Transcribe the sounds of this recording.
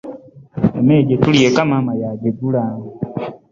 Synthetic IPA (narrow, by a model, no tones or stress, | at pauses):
emeːɟetuliekamamajaɡeɡulaː